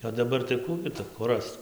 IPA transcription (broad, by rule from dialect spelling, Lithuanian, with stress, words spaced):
oː dɐˈbɐr tɐɪ ˈkuː ɡʲɪ tʊ kʊr ˈrɐst͡s